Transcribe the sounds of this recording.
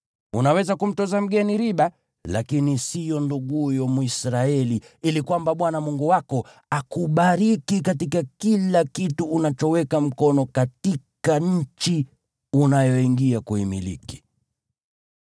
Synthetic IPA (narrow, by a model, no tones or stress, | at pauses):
unawɛzakum̩tɔzam̩ɡɛniɾiɓa | lakinisijɔnduɠujɔmuisɾaɛli | ilikwambaɓwanamuŋɡuwakɔ | akuɓaɾikikatikakilakituːnat͡ʃɔwɛkam̩kɔnɔkatikaɲ̩t͡ʃi | unajɔiŋɡiakuimḭlḭki̥